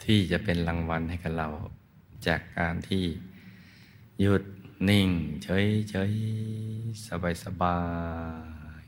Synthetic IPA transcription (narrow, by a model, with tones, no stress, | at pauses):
t̪ʰiː˧˩t͡ɕa˧˩ʔpe˧˨nla˧ŋwa˧nha˧˩jka˧˩la˧˩w | t͡ɕaː˨˩kːaː˧nt̪ʰiː˧˩ | ju˧˩t̪̚ni˧˩ŋt͡ɕɤ˧˥˨jt͡ɕɤ˧˥˨j | sa˧ba˧˩jsa˧baː˧ | j